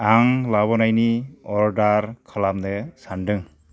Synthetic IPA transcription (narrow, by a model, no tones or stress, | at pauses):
aŋlaβɔnajniɔɾdaɾkʰalamnesandɯŋ